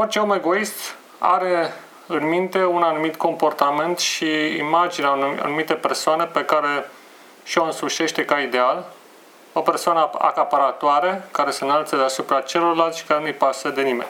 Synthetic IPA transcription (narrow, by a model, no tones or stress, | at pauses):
o̞rt͡ʃeomeɡo̞ist̪ | a̰ɾe̞ | ɨnmint̪e̞unanumit̪ko̞mpo̞rt̪ament̪ʃiḭmad͡ʒineaa̰numit̪e̞persoane̞pe̞kaɾe̞ | ʃioɨnsuʃe̞ʃt̪e̞kaid̪e̞al | o̞pe̞rsoanəa̰kapaɾat̪oaɾekaɾe̞senalt̪səd̪easupɾat͡ʃe̞lo̞rlalt̪ʃi̥kaɾenujpasəd̪e̞nimḛnʲ